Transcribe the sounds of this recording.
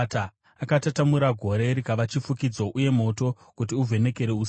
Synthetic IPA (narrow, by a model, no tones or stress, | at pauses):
ta | akatatamuɾaɡʱo̞ɾe̞ɾikaʋat͡ʃifukid͡zo̞ʔuje̞mo̞to̞ | kut̬iuvʱe̞ne̞ke̞ɾe̞uːs